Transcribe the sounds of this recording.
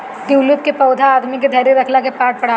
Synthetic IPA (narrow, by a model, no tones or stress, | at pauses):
d̪iwlut̪̚kepɐːd̪ʱaːd̪miked̪ʱɐɾeɾɐkʰlakepaːʈ̚pɐɽ̤a